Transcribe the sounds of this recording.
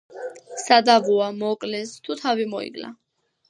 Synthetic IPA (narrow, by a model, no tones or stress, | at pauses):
sad̪avuamɔkʼlɛst̪ʰut̪ʰavimɔḭɡla̰